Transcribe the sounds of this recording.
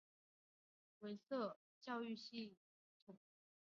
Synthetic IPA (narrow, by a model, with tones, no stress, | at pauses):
we˧˥ɪsɤ˥˩ | t͡ɕjɑ˥˧ʊy˥˧ɕi˥˩ | t̪ʰu˨˩˥